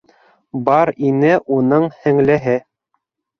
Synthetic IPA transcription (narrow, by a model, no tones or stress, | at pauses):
bɑɾinɘʔunɤɴhɘ̆ŋlæɦɘ